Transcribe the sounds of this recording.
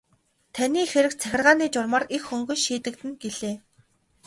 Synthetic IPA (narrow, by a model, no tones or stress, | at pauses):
t̪ʰaniːxeɾɘ̆k̚t͡sʰæxʲɪ̆rʁaːniːt͡ɕʊrmɔrixːɵŋɡɵ̆nʃiːt̪ɘ̆k̚t̪ɘ̆nɡeɮeː